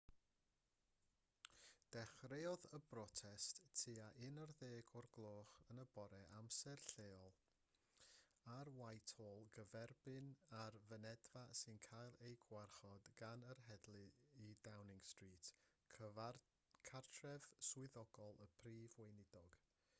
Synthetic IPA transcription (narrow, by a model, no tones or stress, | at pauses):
d̥ɛχreːɔðəbrɔtʰɛsttʰːiaʔɪnərðeːɡʰɔrɡlˠoːχənəbɔɾɛʔamsɛrɬeːɔlˠ | arwajtʰoːlˠɡəvɛrbɨnarvənɛdvasɨnkʰajlˠejɡwarχɔdɡ̥anərɦɛdlˠɨidawnɪŋstriːt | kʰartʰrɛv̥swɨðɔɡ̥ɔlˠəpʰriːvwejnɪdɔɡ̥